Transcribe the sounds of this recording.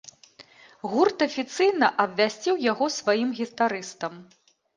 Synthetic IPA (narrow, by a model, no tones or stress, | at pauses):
ɣurt̪ɐfʲit̪sɨjnɐʔɐbvʲasʲt͡sʲiwjaɣɔsvajimɣʲit̪aɾɨst̪ɐm